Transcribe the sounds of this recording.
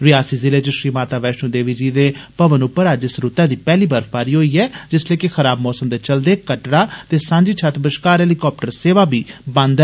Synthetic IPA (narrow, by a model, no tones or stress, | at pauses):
ʋɪaːsiːzɪleːd͡ʒəʃɾiːmaːt̪aːʋɛːʃõːd̪eːʋiːd͡ʒiːd̪eːpəʋənʊpːəɾaːd͡ʒɪsɾʊt̪ɛ̃ːd̪iːpɛːliːbəɾfʰbaːɾiːɦoːiːɛːd͡ʒɪsleːkɪxʰəɾaːbmɔːsəmd̪eːt͡ʃəld̪eːkəʈɽaːt̪eːsãːɲd͡ʒiːt͡ʃʰət̪bəʃkaːɾɛːlikɔːp̚ʈəɾseːʋaːbiːbə̃nd̪ɛ